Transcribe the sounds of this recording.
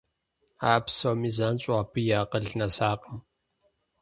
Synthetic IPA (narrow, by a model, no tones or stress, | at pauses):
aːpsoːmiːzaːnɕʼaːpʰɨjaːqəɮnɐsaːqəm